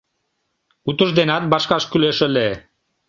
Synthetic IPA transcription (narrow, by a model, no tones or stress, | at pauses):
ut̪ə̆ʒd̪enɑt̪̚bɑʃkɑʃkyleʃə̆le